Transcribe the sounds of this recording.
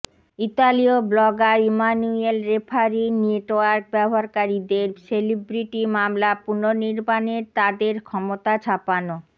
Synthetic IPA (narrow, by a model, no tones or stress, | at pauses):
it̪alioblɔɡaimanuelɾepʰaɾinieʈoaɾk̚bɛboɦaɾkaɾid̪eɾselibɾiʈimamlapunoniɾbaneɾt̪ad̪eɾkʰɔmot̪at͡ɕʰapano